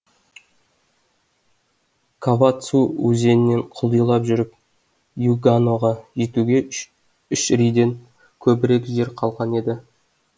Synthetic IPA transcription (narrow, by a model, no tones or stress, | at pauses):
kʰavat̪suɵze̞nɪnːe̞ɴqʰʊlˠijlˠɑpʒʏɾɪp̚ | juɡanoʁɑʒe̞t̪uɡʲe̞ | ʏʃɾijd̪e̞ŋ | kʲʰɵbɪɾe̞kʒe̞ɾqʰɑlˠʁɑne̞d̪ɪ